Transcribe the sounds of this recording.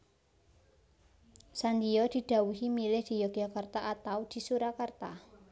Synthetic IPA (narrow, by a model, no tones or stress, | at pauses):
sand̪ijɔd̪̥i̤d̪̥a̤wuɦimilɪhd̪̥i̤jɔɡ̥iakərt̪aʔat̪awd̪̥i̤suɾakərt̪a